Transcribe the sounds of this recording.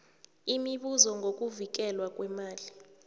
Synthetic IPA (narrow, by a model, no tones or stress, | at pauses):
imiɓuzɔŋɡʱok̬ʼuvik̬ɛlwak̬ʼwɛmaːli